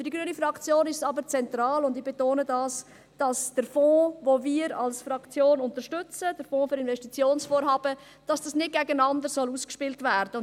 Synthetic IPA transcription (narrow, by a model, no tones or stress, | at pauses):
fyɾdiɡɾyənifɾɑkt͡sjoːnɪʃsɑbəɾt͡sɛnt̪ɾɑːlʊndɪb̥etoːnədɑːs | d̥ɑsd̥əɾfɔːvoːviːəɾɑ̰lsfɾɑkt͡sjoːnʊntəɾʃtʏt͡səd̥əɾfoːføɾɪnvɛʃtit͡sjoːnsfoːɾɦɑːb̥ə | d̥ɑsd̥ɑsnɪd̚ɡ̥ɛɡənɑndəɾsɔluːskʃpɪltvæːɾd̥ə